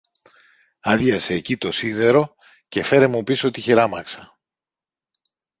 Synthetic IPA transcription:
ɐðʝɐseːcit̪o̞siðe̞ɾo̞ | ce̞fe̞ɾemupisoot̪içiɾɐmɐksɐ̥

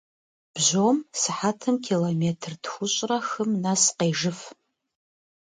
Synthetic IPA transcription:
b̥ʒomsɨħatʰɨmkʲʰilometʰɨrtxʷʊɕʷʼrɐxɨmnasqeːʐɨf

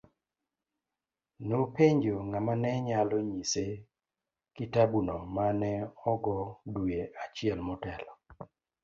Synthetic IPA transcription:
nopeɲd͡ʒoŋamanɛɲalɔɲise | kitabunɔmanɛɔɡɔdujeʔat͡ʃɪɛlmɔtɛlɔ

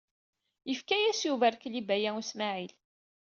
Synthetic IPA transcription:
jəfkæjæsjuvæɾklibæjæusmaʕil

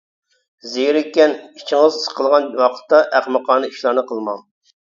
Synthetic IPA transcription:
zejɾɪkʲːɛnit͡ʃʰiŋɨzssqʰəlˠʁɑnwɑqʰə̥t̪ːɑʔæχmɨqʰɑːnɨiʃlˠɑɾnɨqʰəlˠmɑŋ

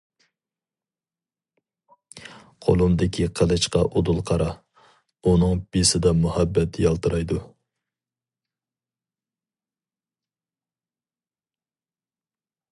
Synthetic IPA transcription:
qʰo̰lˠumd̪ɪkʲʰiqʰəlˠɨʃqɑʔod̪ulˠqʰɑɾɑ | unɨŋb̥isɪd̪ɛmuhɑbːɛt̪ʰjɑlˠt̪ɨɾɑjd̪u

